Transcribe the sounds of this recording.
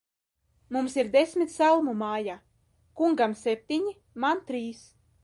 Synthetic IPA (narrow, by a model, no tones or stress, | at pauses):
mumsiɾd̪esʲmʲit̪ʲsalˠmumaːja | kuŋɡamsʲɛp̚ʲt̪ʲiɲi | mant̪ɾiːs